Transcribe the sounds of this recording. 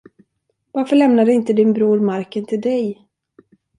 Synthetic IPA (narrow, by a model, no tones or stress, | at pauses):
vaɾfœɭɛmnad̪əɪnt̪əd̪ɪnbɾuːɾmaɾkənt̪ʰɪld̪ɛj